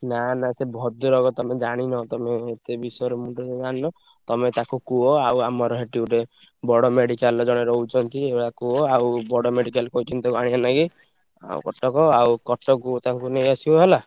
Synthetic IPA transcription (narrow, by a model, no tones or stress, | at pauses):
nanasebʱɔd̪uɾɔɡɔt̪ɔmed͡ʒaɽ̃inɔt̪ɔmeːt̪ebisɔjɔɾemuʈɾɔd͡ʒɔd͡ʒaɽ̃inɔt̪ɔmet̪akukuɔawamɔɾɔɦeʈiuɾebɔɽɔmeɽikald͡ʒɔɽ̃eɾɔɦut͡ʃʰɔnt̪ieɽakuɔawbɔɽɔmeɽikalkɔɦut͡ʃʰɔnt̪iakuaɽ̃ianaɡi | a̰w̰kɔʈɔkɔawkɔʈɔkut̪aŋkunejasibɔɦela